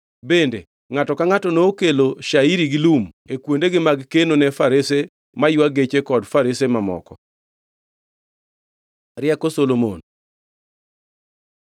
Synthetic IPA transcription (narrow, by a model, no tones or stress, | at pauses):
bende | ŋatɔkaŋatɔnoːkeloʃaiɾiɡɪlumekwondeɡɪmaɡkenonɛfaɾese | majʊaɡet͡ʃekɔdfaɾesemamɔ̰kɔ | ɾɪɛkosolomo̰n